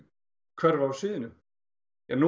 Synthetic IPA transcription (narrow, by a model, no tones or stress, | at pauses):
kʰvœɾvawsiːðɪnʏm | jɛnu